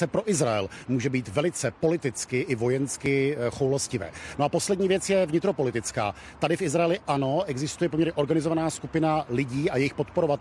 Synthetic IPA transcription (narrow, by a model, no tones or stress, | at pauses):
ɛpɾo̞ʔɪzɾaɛ̰lmuːʒɛbiːt̪vɛlɪt͡sɛpo̞lɪt̪ɪt͡skɪʔɪvo̞jɛnskɪxowloscɪvɛ̰ːnoapo̞slɛdɲiːvjɛt͡sjɛvɲɪt̪ɾo̞po̞lɪt̪ɪt͡ska̰ː | t̪adɪfʔɪzɾajɛlɪʔano̞ʔɛɡzɪst̪ujɛpomɲɛɾɲɛʔo̞ɾɡanɪzo̞vanaːskupɪnalɪɟiːajɛjɪxpo̞t̪poɾo̞va